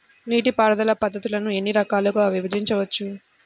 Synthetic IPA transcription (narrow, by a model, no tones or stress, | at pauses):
niːʈipaːɾɐd̪ɐlɐpɐd̪ːɐt̪ulɐnue̞nːiɾɐkaːlɐɡoʋibɐd͡ʒiɲt͡ʃɐʋɐt͡ʃːu